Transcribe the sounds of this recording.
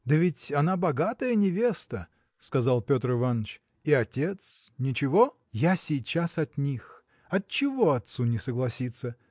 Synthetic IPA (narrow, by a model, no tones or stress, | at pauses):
d̪əvʲɪtʲɐnabɐɡat̪əjənʲɪvʲe̞st̪ə | skɐzalˠpʲo̞t̪ɾɪvanːət͡ɕ | iɐtʲe̞t̪snʲɪt͡ɕɪvo̞ | jasʲɪjt͡ɕasɐt̪nʲix | ɐt̚t͡ɕːɪvo̞ɐt̪sunʲɪsəɡlˠɐsʲit̪sːə